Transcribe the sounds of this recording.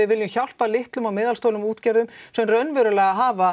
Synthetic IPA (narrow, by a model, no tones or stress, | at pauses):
ɪðvɪljʏmçawl̥palɪht̪lʏmawmɪːðalst̪owlʏmuːt̪cɛɾðʏmsɛmrœnvɛɾʏlɛːɣaɦaːva